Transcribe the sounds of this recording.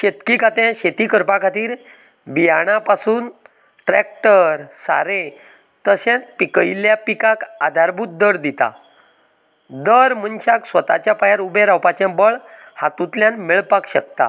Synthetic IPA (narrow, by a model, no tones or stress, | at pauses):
ɕet̪kikʰat̪ẽɕet̪ikəɾpakʰat̪iːɾ | bijaɽ̃apasuːn | ʈɾɛk̚ʈəɾsa̰ɾe | t̪əɕɛ̃t͡spikəjljapikaka̰d̪ʱaɾbʱut̪̚d̪əɾd̪it̪a̰ | d̪əɾmənɕaksʋət̪a̰t͡ɕjapajaɾubeɾawpat͡ɕjãbəɭ | hat̪ũt̪ljãnmiɭpakɕək̚t̪a̰